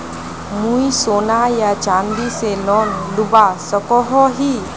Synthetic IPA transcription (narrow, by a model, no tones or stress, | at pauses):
mujsonajat͡ɕãnd̪iselɔnlubasəkɔɦɔɦi